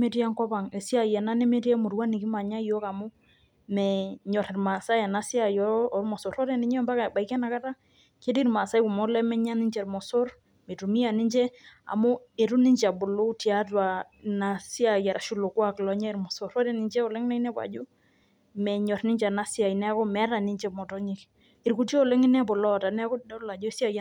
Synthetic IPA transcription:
me˦ɾi˦a˦ŋkɔ˦ba˨ŋe˨si˦a˨jɛ˨na˦nɛ˦me˦ti˦ɛ˦mu˨ɾwa˦ni˨ki˦ma˨ɲa˦jɔ˦ka˨mʊ˦ | mɛ˨ɲɔ˨ɾɛ˨ɾma˨sa˦ja˨na˦si˦a˨jɔ˦ɔ˨ɾmɔ˨so˨ɾɔ˦ɾɛ˦ni˦ɲ˦ɔ˦mba˦ka˨ba˨i˨kɛ˦na˨ka˦ta˦ | ke˦di˦ɾma˨sa˦i˦ku˨mɔ˦lɛ˦mɛ˦ɲa˦ni˦d͡ʒɛ˨ɾmɔ˨so˦ɾ | me˨tu˨mi˦a˨ni˦nd͡ʒɛ˦a̰˨mo˦e˨ɾu˦nɪ˦ɲt͡ʃa˨bʊ˨lo˦ti˨a˦twa˨ | na˨si˦a˨ja˨ɾa˨ʃu˦lo˨kwa˦klɔ˨˦ɲa˦i˨ɾmɔ˨so˨ɾɔ˦ɾɛ˨nɪ˨nt͡ʃɛ˦ɔ˨lɛ˦ŋɪ˦na˦i˦nɛ˦pa̰˨d͡ʒu˦ | mɛ˨ɲɔ˨ɾnɪ˦ɲd͡ʒa˨na˦si˦a˨i˨nɛ˦kɔ˦mɛ˨˦ɾa˨ni˦ɲt͡ʃɛ˦mɔ˨tɔ˦ɲɪ˦k | ɪ˨ɾku˨ti˦o˦˨lɛ˦ŋɪ˦nɛ˦bɔ˨lɔ˦˨ta˨nɛ˦kɔ˦dla˨d͡ʒɔ˦si˦a˦˨j

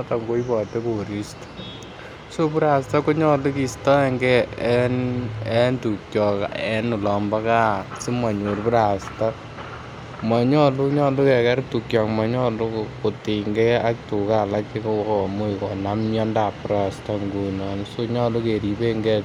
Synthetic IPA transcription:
ta˨ŋɡo˦i˦bɔ˨te˦ko˨ɾi˦stḁ | so˦pu˦ɾa˨sta˦ko˦ɲɔ˦lu˦ki˨stɔ˦ɛ˦ŋɡɛɛ˦nɛ˦ntuk̚t͡ʃɔ˨kɛ˦nʊ˨lɔ˨mba˦ka˦si˦mwa˨ɲu˨ɾpu˦ɾa˨sta˦ | ma˨ɲɔ˦lu˦ɲɔ˦lu˦kɛ˨kɛ˦ɾtu˨kt͡ʃjɔ˨kma˨ɲɔ˦lu˦ko˨te˨ŋɡɛa˦k̚tu˨ka˦la˦ke˦kowkmo˦ikɔ˨na˦mjɔ˦nda˨puɾa˨sta˦ŋɡu˨inɔ˨nso˦ɲɔ˦lu˦ke˨ɾi˨beŋɡɛ

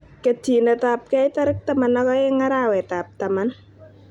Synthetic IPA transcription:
ke˨ti˨nɛ˨ta˨p̚kɛ˦ɪ˦ta˦ɾɪ˦k̚ta˦ma˨nːɔ˦kɔ˦ɪ˦ŋa˦ɾa˦˨wɛ˨ta˨p̚ta˨ma˦n

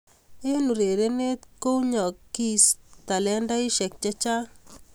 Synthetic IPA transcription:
e˦nu˨ɾe˨ɾe˦ne˦t̪ko˦ɲɔ˨kːi˦st̪a˨lɛ˦nda˦i˦ʃɛ˨k̚t͡ʃa˦t͡ʃa˦

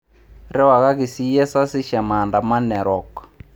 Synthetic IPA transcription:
ɾɛ˦wa˨ka˦ki˨si˦jɛ˦sa˦si˦ʃa˨ma˨nda˨ma˦nɛ˨ɾɔ˨kḁ˨

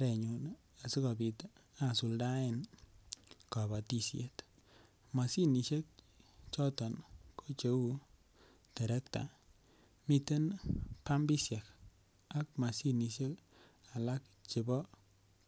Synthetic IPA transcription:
ɾɛ˨ɲu˨n | a˨si˦kɔ˨bi˨ta˦˨su˨lda˦e˦n | ka˨ba˨ti˦˨sjḛ˨t | ma˨si˦ni˨ʃe˦k̚ | t͡ʃɔ˦tɔ˨nkʰo˦t͡ʃe˦u˦ | te˨ɾɛ˦k̚ta̰˨ | mi˨te˦npa˦mbi˦sja˨k | a˨k̚ma˨si˦ni˨ʃe˦k | a˨la˦k̚ | t͡ʃi˨bɔ˦

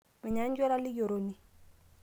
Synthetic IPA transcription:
mɪ˨ɲa˨˦ɲ˦d͡ʒɔ˦ɾa˦lɪ˦jo˨ɾo˨ni˨

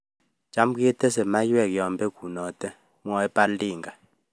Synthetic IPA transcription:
d͡ʒa˨˦m˦ki˦ɛ˦tɛ˦sɛ˨ma˦jɛ˨kjɔ˨mbɛ˦ɡu˨nɔ˨tɛ˦ | m˦ɔ˨ɛ˦pa˦diː˨ŋɡa˨

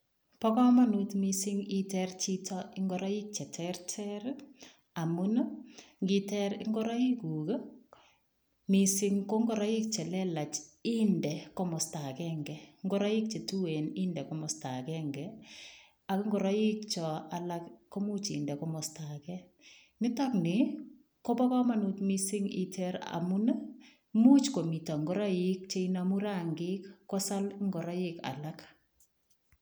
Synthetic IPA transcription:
pɔ˦kɔ˦ma˦nu˦tmi˦si˦ŋi˦tɛɾt͡ʃi˦tɔ˦ʔɪ˦ŋɡɔ˦ɾa˦ji˦k̚t͡ʃɛ˨tʰɛ˦ɾtʰɛ˦ɾ | a˨mu˦no˦ŋɡi˦tɛ˦ɾɪ̰˦ŋɡɔ˦ɾa˦i˦ku˨k | mi˨si˦ŋko˦ŋɡɔ˦ɾa˦ji˦k̚t͡ʃɛ˨lɛ˦la˨t͡ʃi˦ndɛ˨kɔ˦mɔ˨sta˨kɛ˦ŋɡɛ˨ŋɡɔ˦ɾa˦ji˦k̚t͡ʃe˨tu˦we˨nɪ˦ndɛ˨kɔ˦mɔ˨sta˨kɛ˦ŋɡɛ˨ | a˨kɪ˦ŋɡɔ˨ɾa˦jɪ˦kt͡ʃɔ˨a˨la˦kkːɔ˦mu˦t͡ʃɪ̰˨ndɛ˨kɔ˦mɔ˨sta˨kɛ | mɪ˦tɔ˦knɪ˨ | kɔ˦ba˦ka˦ma˦˨nutmi˦sɪ˦ŋḭ˦tʰɛ˦ɾa̰˨mu˦na˦ | mu˦t͡ʃko˨mi˨ta˨ŋɡɔ˦ɾa˦jɪ˦k̚t͡ʃe˦ina˨mu˦ɾa˦˨ŋɡɪ˦kːɔ˦sa˦lŋɡɔ˨ɾa˦jɪ˦ka̰˨la˦k

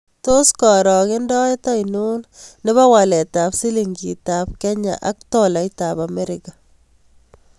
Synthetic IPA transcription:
to˦skɔ˨ɾɔ˨kɪ˦ndɔ˦e˦tɔ˦inu˦nnɪ˦βa˦wa˨lɛ˨ta˨psi˦liŋɡi˨tap̚kɛ˦ɲa̰˨ʔa̰˨k̚tɔla˨jtaba˨me˦ɾɪka

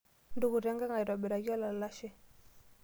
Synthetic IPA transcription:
ndu˨ɣu˨ɾɛ˦ŋɡa˦ŋa˨i˨ɾa˨ɓɛ˨ɾa˨ɣi˦wa˦la˨lla˦ʃɛ˦˨

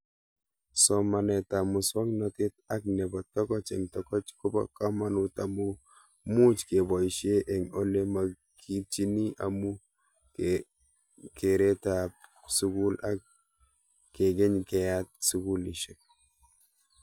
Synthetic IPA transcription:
sɔ˨ma˨nɛ˨ta˨mu˨sɔ˦ŋnɔ˨tɪ˦ta˦knɛ˨bɔ˨tːɔ˦kɔ˦t͡ʃɛ˨ŋtɔkɔ˦t͡ʃku˦ba̰˦ka˦ma˨nu˨ta˨mu | mu˦t͡ʃke˨bɔ˨iʃe˦ʔɛ˨ŋo˦le˦ma˨ | kʰi˦t͡ʃi˦ni˦a̰mu˦ | ke˨ɾe˦ta˨p | su˦ku˦la˦kː | e˨ɡe˦ɲkɛ˨jat̚su˦ku˦li˨ʃe˦k̚

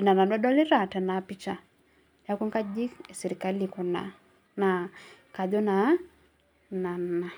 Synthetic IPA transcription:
na˨na˨da˦da˦lɪ˦ɾa˨ta˨na˨pi˦t͡ʃa˨ | n˨a˦ku˦ŋka˦d͡ʒi˦ke˨sɛ˨ɾi˨ka˦likɔ˨na̰˨ | na˨ | ka˨d͡ʒɔ˦na˨ | na˨na˨

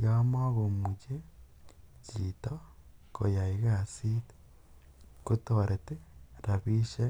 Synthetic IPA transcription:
jama˦ɣo˨muɟe˦ | t͡ʃita | ko˨ja˨iɣasi˦te̥ | ku˦toɾe˨te˦ɾa˨βi˦ʃe˦

